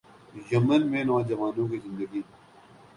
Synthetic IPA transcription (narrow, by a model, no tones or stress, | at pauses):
jɐmənmẽːnɔːd͡ʒɐʋaːnõːkizɪ̃nd̪əɡiː